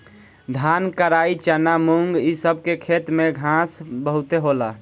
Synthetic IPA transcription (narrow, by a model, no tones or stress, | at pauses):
d̪ʱankəɾait͡ʃənamuŋɡisəb̚ʱkekʰet̪mẽɡʱãsbəɦʊt̪eɦola